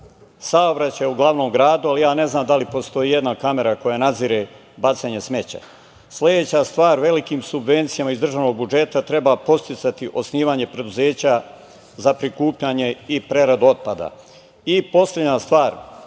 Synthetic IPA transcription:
saobɾat͡ɕajeuɡlˠaʋno̞ːmɡɾaːd̪ualijaːne̞znaːmd̪alipo̞st̪o̞jiːjed̪nakame̞ɾako̞janad̪ziːɾe̞ | bat̪seɲe̞sme̞t͡ɕa̰ | slʲe̞d̪eːt͡ɕast̪ʋaːɾʋe̞likiːmsubʋe̞nt̪sijamaizd̪ɾr̩ʒano̞ɡ̚bud͡ʒe̞t̪at̪ɾe̞bapo̞st̪it̪sat̪iʔo̞sniːʋaɲe̞pɾe̞d̪uzeːt͡ɕa | zapɾikuːpʎaɲe̞ipɾe̞ɾad̪uo̞t̪̚pad̪a̰ | ipo̞slʲe̞d̪ɲast̪ʋaːɾ

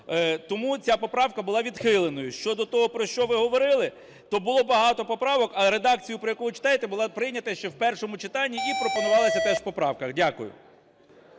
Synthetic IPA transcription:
t̪ɔmut͡sʲapɔpɾɑwkɐbʊlˠɑʋʲid̪xɪlˠenɔjʊʃt͡ʃɔd̪ɔt̪ɔɦɔpɾɔʃt͡ʃɔʋɪɦɔʋɔɾɪlˠɪ | t̪ɔbʊlˠɔbɐɦɑt̪ɔpɔpɾɑʋɔkɐɾe̞d̪ɑk̚t͡sʲijʊpɾɔjɐkuʋɪt͡ʃɪ̥t̪ɑjet̪ɛbʊlˠɑpɾɪjnʲɐt̪ɐʃt͡ʃɛwpɛrʃɔmʊt͡ʃɪt̪ɑnʲːiipɾɔpɔnʊʋɑlˠɐsʲɐt̪ɛʒwpɔpɾɑwkɐɣdʲakʊ̰jʊ̰

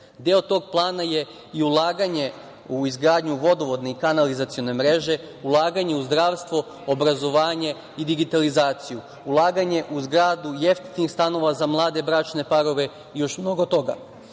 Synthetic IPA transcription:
d̪eot̪o̞ɡ̚plˠaːnaje̞ | iulˠaːɡaɲe̞ | uizɡɾaːd̪ɲuʋo̞d̪o̞ʋo̞d̪ne̞ikanalizat̪sijo̞ne̞mɾe̞ʒe̞ | ulˠaːɡaɲe̞uzd̪ɾaːʋst̪ʋo̞ | obɾazo̞ʋaːɲe̞ | id̪iɡit̪alizaːt̪siju | ulˠaːɡaɲe̞ʔuzɡɾaːd̪ujeft̪i̥t̪nixst̪ano̞ʋazamlˠaːd̪e̞bɾaːt͡ʃne̞paɾo̞ʋe̞ | jo̞ʃmno̞ɡo̞t̪o̞ɡa̰

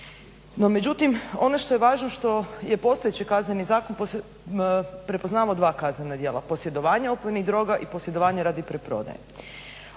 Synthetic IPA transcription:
no̞me̞d͡ʑut̪imo̞noʃt̪o̞jeʋaːʒnoʃt̪o̞je̞po̞st̪ojet͡ɕikaznenizaːkonpos | pɾepo̞znaːʋaod̪ʋaːkaznenad̪je̞ːla̰po̞sje̞d̪o̞ʋaːɲeopomeniɣd̪ɾo̞ɡaʔipo̞sje̞d̪o̞ʋaːɲeɾaːd̪ipɾepɾo̞̰d̪a̰jḛ

